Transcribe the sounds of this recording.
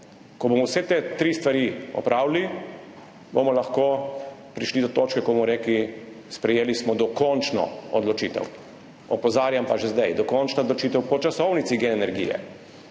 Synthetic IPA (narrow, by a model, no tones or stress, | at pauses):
kɔbomɔwsɛt̪et̪ɾist̪ʋaɾiɔ̰pɾʔaːwlli | bomɔlaxkoːpɾiʃlid̪ɔt̪oːt͡ʃkɛkɔbmɔɾeːkli | spɾɛjeːlismɔd̪ɔkɔnt͡ʃnɔ̰ɔd̪lɔt͡ʃiːt̪ɛ̰w | ɔpɔzaːɾjampaʒɛzd̪ajd̪ɔkɔnt͡ʃnad̪lɔt͡ʃit̪ɛwpɔt͡ʃasɔwnit̪siɡenɛnɛɾɡḭjɛ̰